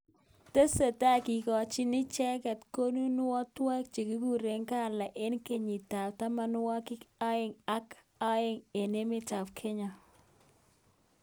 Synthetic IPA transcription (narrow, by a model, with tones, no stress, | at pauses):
te˦se˨ta˦˨ki˨kɔ˨t͡ʃi˦nɪ˦t͡ʃɛ˦kɛ˨tko˦nu˦nʊ˦wɔ˦twa˦k̚t͡ʃe˨ki˦ku˦ɾe˨ŋka˦˨la˨ʔe˦nke˦ɲi˨ta˨pta˦ma˦nʊ˦wɔ˦kɪ˦ka˦ɪ˦˨ŋa˦k | a˦ɪ˨ŋe˨ne˦mɪ˦ta˨pkʰɛ˦ɲa˨